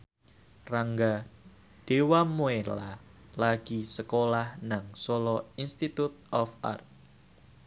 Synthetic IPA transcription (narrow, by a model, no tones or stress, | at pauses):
raŋɡa | d̥ewamuela | laɡ̥isəkolahnaŋsolɔinst̪it̪ut̪̚ɔfa̰rt̪̚